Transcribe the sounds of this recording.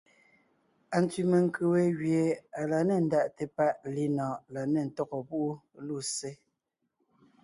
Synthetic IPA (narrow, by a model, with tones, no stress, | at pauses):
a˨n˨tɥi˨me˨ŋ˨kʰʉ˨we˨˦ɣɥje˨a˨la˨ne˨n̩˨˦da˨ʔte˨pa˦˨ʔli˦nɔ̃ː˨la˨ne˨n̩˨tɔ˦ɣɔ˨pu˦ʔu˦lu˦˨se˦